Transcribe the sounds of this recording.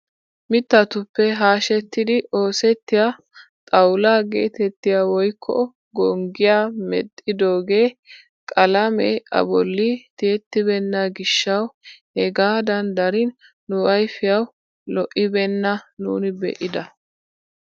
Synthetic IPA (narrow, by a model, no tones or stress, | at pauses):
mɪt̪ːɐt̪ʊpːɛɦaːʃɛt̪ːɪd̪ɪʔo̞ːsɛt̪ːɪja | t̪ʼɐwlaːɡḛːt̪ɛt̪ːɪjawɔjkʰːɔ̰ | ɡɔŋɡɪjaːmɛt̪ʼːɪd̪o̞ːɡe̞ː | kʼɐlɐmɛ̰ʔɐ̰bɔlːɪt̪eːt̪ːɪbɛnːɐɡɪʃːɐwhɛɡaːd̪ɐnd̪ɐɾɪnː | ʊwɐjfɪjɐw | lɔʔɪbɛnːɐnṵːnɪbɛ̰ʔɪd̪ɐ